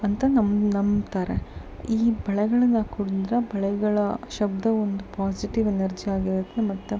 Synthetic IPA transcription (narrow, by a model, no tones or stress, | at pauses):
ɐnt̪ɐnɐmnɐmt̪aːɾḛ | iːbɐɭɛɡɐɭɐnːɐkuɽd̪iɾɐbɐɭɛɡɐɭɐʃɐb̚d̪ɐond̪upaːsiʈiʋenɐɾd͡ʒiaːɡiɾʋɐt̪ːemɐt̪ːu